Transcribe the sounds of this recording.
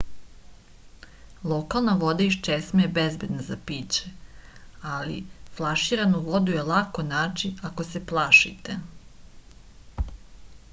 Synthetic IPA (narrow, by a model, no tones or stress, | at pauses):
lˠokalˠnaʋo̞d̪aiʃt͡ʃesmejebezbed̪nazapiːt͡ɕe | alḭflˠaʃiɾanuʋo̞d̪uje̞lˠakonaːt͡ʃiakoseplˠaːʃit̪e